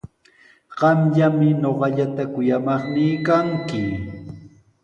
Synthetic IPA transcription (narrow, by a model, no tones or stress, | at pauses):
ɢ̥ɑmʎamɪnoɢɑʎat̪akʊjamɑχnɪːkaŋkɪ